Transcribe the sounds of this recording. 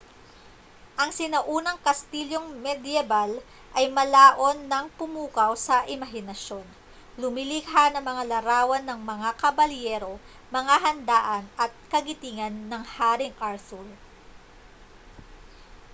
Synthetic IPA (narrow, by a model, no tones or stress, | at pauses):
ʔɐŋsɪnɐʔuːnɐŋkɐst̪iljoŋmɛd̪iɛbal | ʔɐjmɐlaːʔo̞nːɐŋpʊmuːkɐwsɐʔɪmɐɦɪnɐʃjo̞n | lʊmɪlikɦanɐŋmɐŋalɐɾaːwɐnːɐŋmɐŋakɐbɐljɛɾo̞ | mɐŋaɦɐnd̪aːʔɐnɐt̪̚kɐɡɪt̪iŋɐnːɐŋhaːɾɪŋʔaɹsul